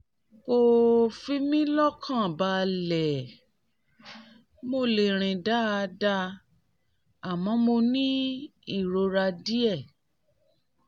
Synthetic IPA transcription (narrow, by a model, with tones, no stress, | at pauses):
ko˨fi˧mĩ˦lɔ˦kʰã˦˨ba˧lɛ˨ | mo˧˨le˨ɾ̃ĩ˨da˦˧da˧ | a˨mɔ̃˧˦mo˧nĩ˦i˦˨ɾo˧ɾa˧di˦ɛ˦˨